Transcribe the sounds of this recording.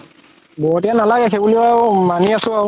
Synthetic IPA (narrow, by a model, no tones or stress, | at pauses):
bɔɦɔtanalaɡɛxebuliawmaniasʊ̃aw